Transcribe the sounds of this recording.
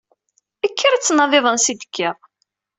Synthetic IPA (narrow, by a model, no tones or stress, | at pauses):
əkʰːiɾt͡sːnɑðˤɪðˤənsid̪əkʰːeʁ